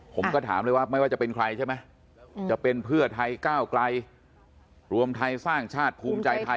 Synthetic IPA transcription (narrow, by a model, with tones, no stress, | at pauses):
pʰo˩˦mkɔː˥˩t̪ʰaː˩˦mlɤ˧jwaː˥˩m˥˩jwaː˥˩t͡ɕa˨˩pe˧nkʰɾa˧jt͡ɕʰa˥˩jma˦˥j | t͡ɕa˨˩pe˧npʰɯ˥˩ɐt̪ʰa˧jkaː˥˩wkla˧j | ɾu˧əmt̪ʰa˧jsaː˥˩ŋt͡ɕʰaː˥˩t̪̚pʰuː˧mt͡ɕa˧jt̪ʰa˧